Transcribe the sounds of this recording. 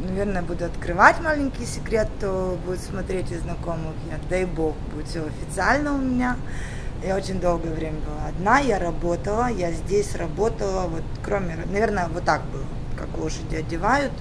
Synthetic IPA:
nɐvʲe̞rnəjəbud̪ʊɐt̪kɾɨvatʲmalʲɪnʲkʲɪjsʲɪkɾʲe̞t̪ːobudʲɪt̪smɐt̪ɾʲetʲɪznɐko̞mɨxjad̪ajboxbuɪt̪sʲoɐfʲɪt̪sɨalʲnəʊmʲɪnʲa | jaot͡ɕɪnʲd̪o̞lˠɡəjəvɾʲemʲəbɨlˠaɐd̪najaɾɐbo̞t̪əlˠəjazʲdʲesʲɾɐbo̞t̪əlˠəvo̞t̪kɾo̞mʲɪnɐvʲe̞rnəjəvo̞t̪ːak̚bɨlˠəot̪ka̰klˠoʂədʲɪɐdʲɪvajʊt̪

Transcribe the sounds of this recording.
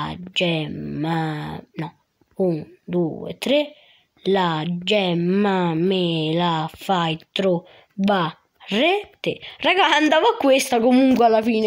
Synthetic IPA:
d͡ʒɛmːanɔ | und̪uḛt̪ɾe | lad͡ʒɛmːamelafajt̪ɾu | ba | rɛt̪ɪrakant̪avakːwest̪akomuŋkwalːafiːn

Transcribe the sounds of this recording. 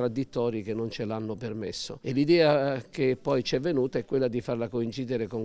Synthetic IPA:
ɾad̪ːit̪ːɔːɾikenːont͡ʃelanːopermesːo̰elid̪ɛːakepːɔjt͡ʃɛvːenuːt̪aɛkːwelːad̪ifarlakoint͡ʃiːd̪ɪɾekoŋ

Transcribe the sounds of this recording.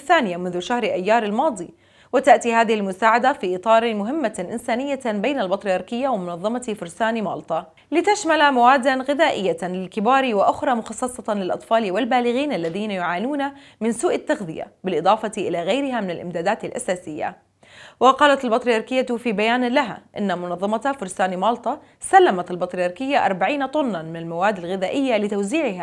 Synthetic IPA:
θːaːnɪjamʊnðʊʃahɾʔajːɑːɾˤɪlmɑːd̪ˤi | wɪt̪aʔt̪ihaːðɪhɪlmʊsaːʕad̪afiːʔɨt̪ˤɑːɾˤmʊɦɪmːaʔɪnsaːnɪjːabejnalbɑt̪ɾijɑɾˤkɪjːawɪmʊnɑðˤːɑmɑfʊɾsaːnimɑ̰ːlt̪ˤɑ | lɪt̪aʃmalamawaːd̪ːanɣɪðaːʔɪjːalɪlkɪbaːɾiwɪʔʊxɾˤɑːmʊxɑsˤːɑsˤɑlɪlʔɑt̪ˤfɑːliwɪlbaːlɪɣiːnʔalːaðiːnajʊʕaːnuːna | mɪnsuːʔat̪ːaxðɪja̰bɪlʔɨd̪ˤɑːfɑt̪iʔɪlaɣajɾɪɦamɪnɪlʔɪ̰md̪aːd̪aːt̪alʔasaːsɪjːa̰ | wɪqɑːlat̪albɑt̪ˤɾijɑɾˤkɪjːat̪fiːbajaːnlaɦa̰ʔɪnːamʊnɑðˤːɑmɑt̪afʊɾsaːnimɑːlt̪ˤɑ | salːamat̪albɑt̪ˤɾijɑɾˤkɪjːaʔɑɾˤbaʕiːnat̪ˤʊnːɑnmɪnalmawaːd̪ːalɣɪðaːʔɪjːalɪt̪awziːʕɪɦa

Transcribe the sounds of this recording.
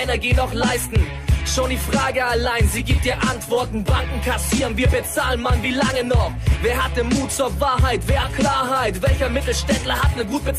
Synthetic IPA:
ɛnɛɐɡiːnɔχlaɪstn̩ | ʃoːndiːfʁ̥aːɡəalaɪnziːɡiːp̚tiːɐʔantv̥ɔɐtn̩baŋk̚ŋ̩kʰasiːʁənviːɐbət͡saːlənmanviːlaŋənɔχveːɐhat̚d̥enmuːt̚t͡suːɐvaːɐɦaɪtv̥eːɐklaːɐɦaɪtv̥ɛlçɐmɪtl̩ʃtɛntlɐhatnəɡuːt̚b̥ət͡s

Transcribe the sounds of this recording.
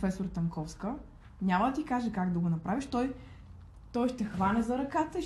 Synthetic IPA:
fɛsoɾt̪ɐŋkɔfskə | nʲaməd̪ɐt̪ikaʒɛkaɡd̪ɐɡonɐpɾʔaviʃt̪ɔj | t̪ɔjʃt̪ɛxvanʲɛzɐɾɐkat̪ə

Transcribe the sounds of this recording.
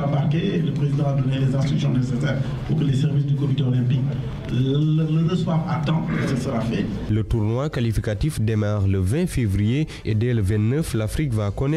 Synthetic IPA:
amaʁkeləpχezid̪ãad̪ɔnelezɛ̃st̪imsjɔ̃nesesɛːʁ | puʁkəlesɛʁvisd̪əkomit̪ʁɔlɛ̃pik | lələnəswava̰t̪ɑ̃esəsəʁafɛlət̪uʁnwakalifikat̪ifd̪emaʁləvɛ̃fevrije | ed̪eləvɛ̃nt̪nəflafɾikvakɔnɛ

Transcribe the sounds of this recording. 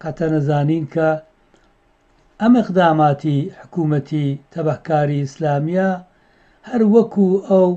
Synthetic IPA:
qɐt̪ʰɐnɐzaːniːnkʰɐ | ʔɐmɨqd̪aːmaːt̪ʰiħʊ̥kuːmɐt̪ʰit̪ʰɐbahkaːɾiɪslaːmija | hɐɾwɐkʰuʔɐw

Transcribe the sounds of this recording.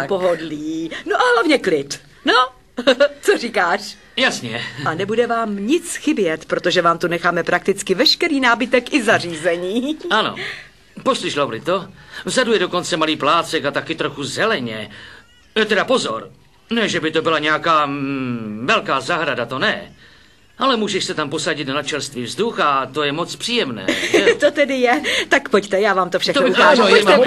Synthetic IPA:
poɦodliːnoʔaɦlavɲɛklɪt̪ | no | t͡soriːkaːʃ | jasɲɛanɛbudɛvaːmɲɪt͡sxɪbjɛt̪pɾot̪oʒɛvaːmt̪unɛxaːmɛpɾʔak̚t̪ɪt͡skɪvɛʃkɛɾiːnaːbɪt̪ɛkʔɪzariːzɛɲiːano̰ | po̞slɪʃlobɾɪ̰t̪ovzadujɛdo̞ko̞nt͡sɛmaliːplaːt͡sɛkat̪akɪt̪ɾoxuzɛlɛɲɛ | jɛt̪ɛdapo̞zo̞̰ɾ | nɛʒɛbɪt̪o̞bɪlaɲɛakaː | vɛlkaːzaɦɾadat̪o̞nɛ | ʔalɛmuːʒɛʃsɛt̪ampo̞saɟɪt̪nnat͡ʃɛlst̪viːvzduxat̪o̞jɛmot͡spr̥iːjɛmnɛ̰ːt̪ot̪ɛdɪjɛt̪akpoct̪ɛjaːvaːmt̪ofʃaxt̪obɪaʒoomɛ

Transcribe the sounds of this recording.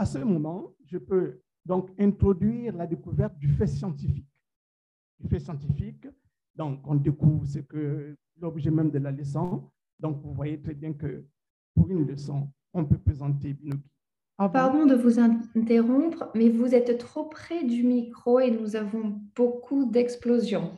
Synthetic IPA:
asəmɔmɑ̃ | ʒəpø | d̪ɔ̃kɛ̃t̪χɔd̪ɥiʁlad̪ekuvɛʁt̪̚d̪yfɛsjɑ̃t̪ifi̥k | d̪̥yfɛsjɑ̃t̪ifik | d̪ɔ̃kɔ̃d̪ekuvʁs̬əkə | lɔbʒɛmɛ̃md̪əlalesɑ̃ | d̪ɔ̃kvũvwajet̪χɛbjɛ̃kə | puʁynləsɔ̃ | ɔ̃pøpχezɑ̃t̪ebynoki̥ | paʁd̪ɔ̃d̪əvuzɛ̃t̪eʁɔ̃pχmɛvuzɛt̪ːχopχɛd̪ymikχoenuzavɔ̃b̥okʰud̪ɛksplozjɔ̃

